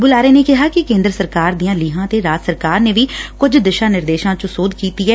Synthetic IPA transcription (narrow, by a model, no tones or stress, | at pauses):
bʊlaːɾeːneːkɪɦaːkɪkẽːnd̪ɾəsəɾkaːɾd̪ijãːliːɦãːt̪eːɾaːt̪səɾkaːɾneːʋiːkʊd͡ʒd̪ɪʃãːnɪɾd̪eːʃãːt͡ʃõsoːd̪kiːt̪iːɛː